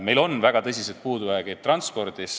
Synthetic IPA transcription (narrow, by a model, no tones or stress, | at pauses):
me̞jlo̞nvæɡ̥ɑt̪ɤs̬ʲiset̪̚puːd̪uvæeɡ̥et̪t̪ːˑrɑnspo̞rd̪̥is